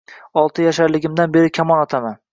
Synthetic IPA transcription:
ɒlˠt̪ʰɪjaʃaɾlɪɡʲɪmd̪anbe̞ɾɪkʲʰamɒnɒt̪ʰaman

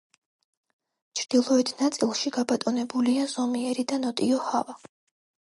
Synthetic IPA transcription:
t͡ʃʰɾd̪̥ilˠɔɛt̪ʰnat̪sʼilˠʃiɡabat̪ʼɔnɛbuliaz̥ɔmiɛɾid̪anɔt̪ʼiɔhava

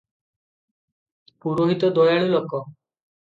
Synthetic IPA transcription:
puɾoɦit̪ɔd̪ɔjaɭ̃ulokɔ

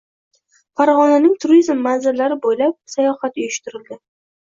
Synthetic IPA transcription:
faɾʁɒnanɪŋt̪ʰʊɾizmːanzɪɾlaɾɪbojlap̚sajɒχat̪ʊjʊʃt̪ɪɾɪld̪ɪ

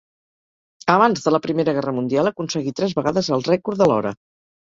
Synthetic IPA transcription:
əβ̞anzðələpɾimeɾəɣɛrəmund̪ialˠəkunsəɣit̪ɾɛzβəɣaðəzəlˠrɛkuɾðəlɔ̰ɾə̰

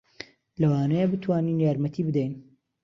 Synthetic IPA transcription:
lɐwaːnɐjəbɨt̪ʰwaːninjaːɾmɐt̪ʰiːbɨd̪ɛjn

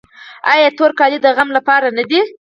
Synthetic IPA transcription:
ɑjɑt̪oɾkɑlid̪əɣamlapɑɾanad̪i

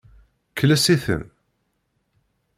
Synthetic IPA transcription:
kːəlæsiθə̰n

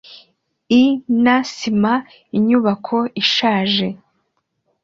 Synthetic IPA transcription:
inasima | iɲuβakʰo̞iʃaːʒe̞

